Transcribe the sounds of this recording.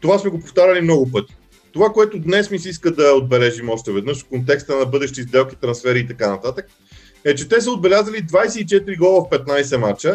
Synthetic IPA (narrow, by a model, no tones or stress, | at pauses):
t̪ovasmɛɡopoft̪aɾʲɐlimnɔɡʊpɤt̪i̥ | t̪ovakoɛt̪ʊd̪nɛsmisɛiskəd̪ɐod̪̚bɛlɛʒimɔʃt̪ɛvɛd̪nɤʃfkont̪ɛkst̪ənɐbɤd̪ɛʃt̪izd̪ɛlˠkʲit̪ɾɐnsfɛɾiːt̪ɐkanɐt̪at̪ək̚ | ɛt͡ʃɛt̪ɛsəod̪̚bɛlʲazəlid̪vajsɛit͡ʃɛt̪iɾiɡlˠɔvəfpɛt̪̚najsɛmat͡ʃə